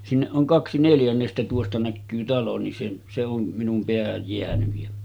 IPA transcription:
sinːeʔ ʔoŋ kɑksi neljænːestæ tuostɑ nækːyː tɑlo nin se se om minum peæhæj jeænyj jæ

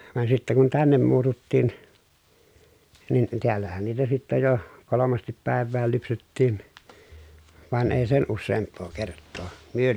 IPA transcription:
ʋɑn sitːæ kun tænːem muːtutːiːn nin tiælːæhæn niːtæ sitːæ jo kolomɑstip pæˑeʋˑæːl lypsetːiːn ʋɑn eˑi sen usːeːmpːoː kertːoː myø

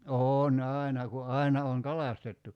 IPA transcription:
oːn ɑˑinɑ ku ɑinɑ oŋ kɑlɑstetːu

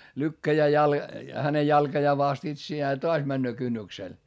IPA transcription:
lykːæjæː jɑl hæne jɑlkɑjɑː ʋɑst itsiæː jɑ toɑs mænːøː kynːyksel

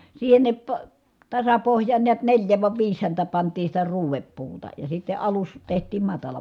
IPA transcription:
siːhenːip po tɑsɑpohjˑɑːn niæt nelʲjæ ʋɑ ʋiːs hæntæ pɑntiː sitæ ruːʋepːuːtɑ jɑ sitːe ɑlus tehtiːm mɑtɑlɑ

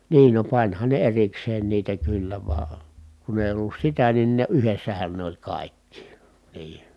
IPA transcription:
niːn no pɑnʲhɑn ne erikseːn niːtæ kylːæ ʋɑː kun eˑi olːus sitæ nin ne yhesːæhæn ne olʲ kɑˑikːi niː

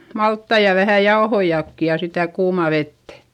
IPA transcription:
mɑltːɑi jɑ ʋæhæ jɑohoijɑkːi jɑ sitæ kuːmɑˑ ʋetːæ̥

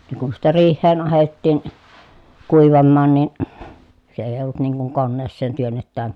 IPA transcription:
ne kun sitːæ riːhˑeːn ɑhetːiːn kuiʋɑmːɑːn niˑn se eij olt niŋ kuŋ konːeːsːeːn tyønːetːæːŋ

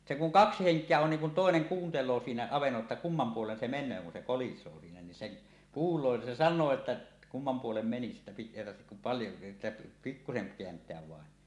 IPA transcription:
se kuŋ kɑksi heŋkˑeæ on niːŋ kun toˑeneŋ kuːntelˑoː siːnæ ɑʋenːolːɑ tːɑ kumːɑm puolen se menˑøː kun se kolisˑoː siːnæ niːn sen kuːlˑoː ni se sɑnˑoː etːæ kumːɑm puolem meni sitːæ̥ pik eˑi tɑrhtek kum pɑljo etːæ pikːuseŋ keæntˑeæʋ ʋɑˑen

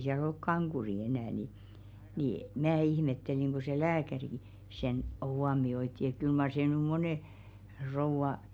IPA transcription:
siæl olk kɑŋɡ̊uri enæˑ ni ni mæː ihmetːeliŋ ɡ̊o se læːkærik̆ĭ sen huomioitːi et kyl mɑr seˑ nyˑ moneˑ rouʋɑ

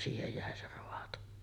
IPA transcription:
siːhej jæˑe se roɑto

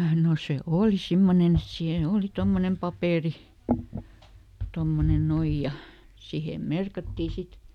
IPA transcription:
no se oːli simːonen et siːn oːli tomːonem pɑpeˑri tomːonen noij jɑ sihem merkɑtːiː sit

